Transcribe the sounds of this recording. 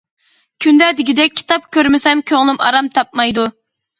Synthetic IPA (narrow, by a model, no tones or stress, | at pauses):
kʲʰynd̪ɛd̪ɪɡʲid̪ɛk̚ʲʰːi̥t̪ɑp̚kʲøɾmɪsɛmkʲʰøŋlˠɪmɑ̰ɾɑmt̪ʰɑp̚mɑjd̪u